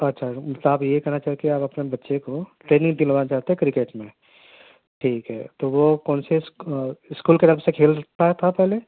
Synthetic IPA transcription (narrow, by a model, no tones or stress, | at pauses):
ɐtːʃʰamɐt̪ləbaːbjekɛɦnat͡ʃaːɦikieaːpɐpnebɐtːʃekoʈɾeːnɪ̃ŋd̪iləʋaːnat͡ʃaːɦt̪eɦɛ̃kɾɪkeːʈmẽ | ʈʰiːkɦɛ̰ːt̪oʋokɔːnsesɪskuːlked̪əɾpsekʰeːlt̪aɦɛt̪ʰapɛɦle